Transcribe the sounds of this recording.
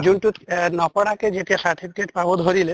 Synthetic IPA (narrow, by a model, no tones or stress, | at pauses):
d͡ʒunʈut̪nɔpɔɽaked͡ʒeʈiasaɾʈ̪ʰipʰikeʈpabɔd̪ʱɔɾile